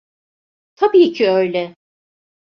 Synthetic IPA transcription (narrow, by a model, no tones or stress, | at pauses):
t̪ʰabiːcʰiø̞jlʲɛ